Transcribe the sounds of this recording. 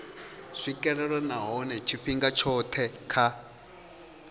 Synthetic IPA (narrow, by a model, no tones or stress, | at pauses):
ʂikʼɛɾɛɺɔnaɦɔnɛt͡ʃʰiɸiŋɡat͡ʃʰɔt̪ʰɛkʰa